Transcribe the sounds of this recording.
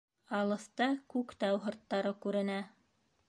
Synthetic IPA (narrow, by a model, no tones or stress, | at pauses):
ɑlˠɤ̆st̪ɑkʉkt̪ɑwɦɤ̆ɾt̪ːɑɾɤkʉɾɘ̆næ